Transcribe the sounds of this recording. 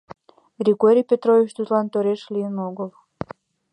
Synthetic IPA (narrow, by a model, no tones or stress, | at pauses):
ɡɾʲiɡoɾʲijpʲet̪ɾovit͡ɕt̪ut̪lɑnt̪oɾeʃlʲijənoɡəl